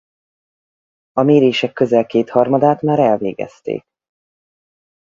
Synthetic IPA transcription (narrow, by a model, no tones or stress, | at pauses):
ɒmeːɾeːʃɛkːø̞zɛlkeːt̪hɒrmɒd̪aːt̪maːɾɛlvḛːɡɛ̰st̪ḛːk̚